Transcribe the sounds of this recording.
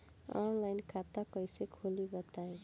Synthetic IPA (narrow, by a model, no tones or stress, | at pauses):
ɔ̰nlajnkʰat̪ːakʌjsekʰolibʌt̪ae